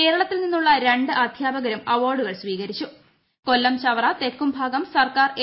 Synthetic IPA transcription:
ke̞ːɾɐɭɐt̪ːilninːuɭːɐɾe̞ɳɖɨʔɐd̪ʱjaːbɐɡɐɾɐmɐʋoːrɖuɣɐɭsʋiːɣɐɾit͡ɕːu | ko̞lːɐmɕɐʋɐrɐt̪e̞kːumbʱaːɡɐmsɐrkaːre

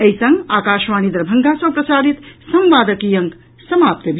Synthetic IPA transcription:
eisəŋɡakaʃʋanid̪ɾbʱəŋɡasɐ̃pɾəsaɾit̪sə̃mʋaːd̪əkijəŋk | səmap̚t̪əbi

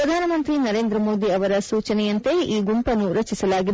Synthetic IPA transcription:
ɾɐd̪ʱaːnɐmɐnt̪ɾinɐɾeːnd̪ɾɐmo̞ːd̪iɐʋɐɾɐsuːt͡ʃɐnɛjɐnt̪e̞iːɡumpɐnuɾɐt͡ʃisɐlaːɡid

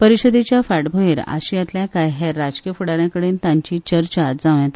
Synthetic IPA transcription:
pəɾiɕəd̪it͡ɕjafaʈbʱoiɾa̰ɕijat̪ljakajɦeɾːad͡zkijəfuɽaɾjãkəɽeːnt̪ãɲt͡ɕiːt͡ɕəɾt͡ɕad͡zãʋjãt̪

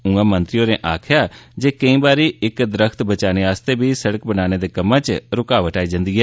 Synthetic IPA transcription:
ũãːmə̃nt̪ɾɪjõːneːʔaːkʰɪjaːd͡ʒeːkəĩːbaːɾiːɪkd̪əɾəkʰt̪bət͡ʃaːneːaːst̪eːbiːsəɽəkbənaːneːd̪eːkəmːãːt͡ʃɾʊkaːʋəʈaːiːd͡ʒãnd̪iːɦɛː

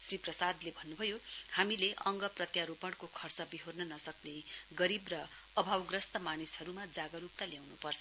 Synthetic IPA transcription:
sriprʌsad̪lebʱʌnːubʱʌjohamileʔʌŋɡʌprʌt̪jaɾupʌɽkokʰʌrt͡sʌbiɦornʌnʌsʌkneɡʌɾibrʌː | bʱawɡrʌst̪ʌmanishʌɾumad͡zaɡʌɾup̚t̪aljawnupʌrt͡sʰʌ

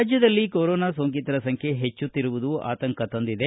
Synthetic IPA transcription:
d͡ʒjɐd̪ɐlːikoːɾoːnaːsoːŋkit̪ɐɾɐsɐŋkʰje̞ɦet͡ʃːut̪ːiɾuʋud̪ua̰ːt̪ɐŋkɐt̪ɐnd̪id̪e

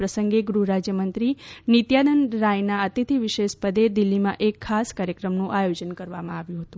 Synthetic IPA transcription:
pɾəsəŋɡeɡɾuɾad͡ʒjəmənt̪ɾinit̪jad̪ənɾajnaət̪it̪ʰiʋiʃeʃpəd̪ed̪ilːimã̰ʔekʰːaskaɾjəkɾəmnũʔajod͡ʒənkəɾʋamã̰aʋjũɦət̪ũ

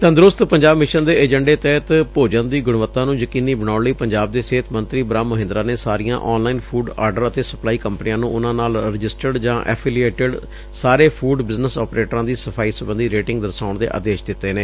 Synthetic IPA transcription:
t̪ə̃nd̪ɾʊst̪pəɲd͡ʒaːbmɪʃənd̪eːed͡ʒəɳɖeːt̪ɛːt̪poːd͡ʒənd̪iːɡʊɽ̃ʋət̪ːãːnũːjəkiːniːbəɽ̃aːnləiːpəɲd͡ʒaːb̚d̪eːseːt̪ʰmənt̪ɾiːbɾaːmːəɦɪ̃nd̪ɾaːneːsaːɾijã̰ːʔɔːnlaːiːnpʰuːɖa̰ːɾɖəɾət̪eːsəplaːiːkəmpnijãːnũʔʊnãːnaːlɾɪd͡ʒɪsʈəɖd͡ʒãːʔɛ̰ːpʰiːlieːʈɪɖ | saːɾeːpʰuːɖbɪznəsɔːpɾeːʈɾãːd̪iːsəpʰaːiːsəbə̃nd̪iːɾeːʈɪ̃ŋɡd̪əɾsaːʊɳd̪ḛːʔə̰d̪eːʃd̪ɪt̪ːeːneː

